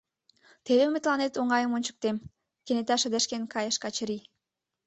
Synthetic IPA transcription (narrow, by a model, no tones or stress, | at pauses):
t̪eðeymet̪lɑnet̪oŋɑjəmonʲt͡ɕə̥k̚t̪em | kenet̪æʃə̆d̪eʃkenkɑjə̆ʃkɑt͡ɕəɾi